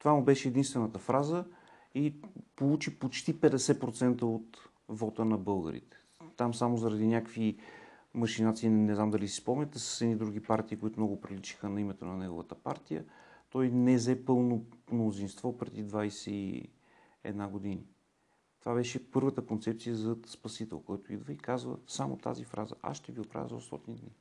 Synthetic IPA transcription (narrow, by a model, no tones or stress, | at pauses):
t̪ovamubɛʃɛːd̪inst̪vɛnət̪əfɾazə | ipolˠut͡ʃipot͡ʃt̪ipɛd̪ɛsɛpɾot̪sɛnt̪əot̪ | vɔt̪ənɐbɤlˠɡə̰ɾḭt̪ɛ̥ | t̪amsamozəɾɐd̪inʲakvi | məʃinat̪siːnɛznamd̪ɐlisi̥spɔmnʲɛt̪ɛsə̥sɛnid̪ɾuɡ̟ipaɾt̪iːkoit̪ʊmnɔɡʊpɾilit͡ʃi̥xənɐimɛt̪onɐnɛɡo̰və̰t̪əpa̰ɾt̪ijə̰t̪ɔjnɛzɛpɤlˠnomnozinst̪vɔpɾɛd̪id̪vajsɛḭ | ɛ̰d̪naɡod̪ini | t̪ovabɛʃɛpɤɾvət̪əkont̪sɛp̚t̪sijəzɐspɐsit̪ɛ̰lˠkɔjt̪oid̪vəikazvə̰samo̰t̪a̰zifɾa̰zə̰ʔa̰ʃʃt̪ɛviopɾa̰və̰zo̰st̪ɔ̰t̪inid̪ni